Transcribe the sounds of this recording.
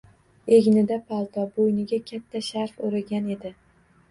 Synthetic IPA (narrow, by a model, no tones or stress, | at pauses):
e̞ɡʲnɪd̪apʰalˠt̪ʰɒbojnɪɡʲakʲʰat̪ʰːaʃaɾfoɾɪɡʲane̞d̪ɪ